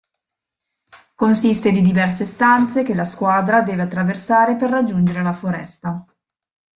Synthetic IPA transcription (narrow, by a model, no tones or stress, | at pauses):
konsist̪ed̪id̪ivɛrsest̪ant̪sekelaskwaːd̪ɾad̪eːveat̪ːɾaversaːɾeperːad͡ʒːund͡ʒeɾelafoɾɛ̰st̪a